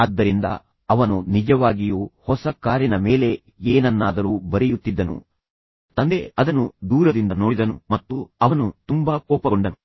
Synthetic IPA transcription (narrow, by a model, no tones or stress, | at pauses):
ɐd̪ːɐɾind̪ɐ̰ | ɐʋɐnunid͡ʒɐʋaːɡijuːhɔsɐkaːɾjɐnɐmeːle̞ | eːnɐnːaːd̪ɐɾuːbɐɾɛjut̪ːid̪ːɐnṵ | t̪ɐnd̪e̞ɐd̪ɐnud̪uːɾɐd̪ind̪ɐnoːɽid̪ɐnumɐt̪ːuɐʋɐnut̪umbaːkɔːpɐɡoɳɖɐnu